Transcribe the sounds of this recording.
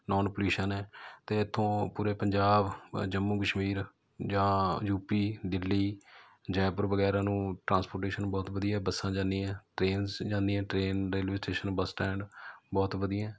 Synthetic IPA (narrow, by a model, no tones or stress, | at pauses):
nɔːnpluːʃənɛːt̪eːɪt̪ʰːõːpuːɾeːpəɲd͡ʒaːbd͡ʒəmːuːkəʃmiːɾ | d͡ʒãːjuːpiːd̪ɪlːiː | d͡ʒɛːpəɾʋəɡɛːɾãːnũːʈɾãːnspoːɾʈeːʃənbɔːt̪ʋəd̪iːaɛːbəsːãːd͡ʒãːnd̪iːɛ̃ːʈɾeːnsd͡ʒãːnd̪iːɛ̃ːʈɾeːnɾeːlʋɪsʈeːʃənbəsʈɛ̃ːɳɖbɔːt̪ʋəd̪ijãː